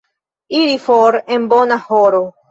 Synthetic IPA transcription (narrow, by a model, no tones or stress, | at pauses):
iɾifoɾe̞nbo̞nahoɾo